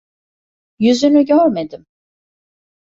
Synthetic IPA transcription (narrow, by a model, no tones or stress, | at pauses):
jyzynyɟøɾmed̪im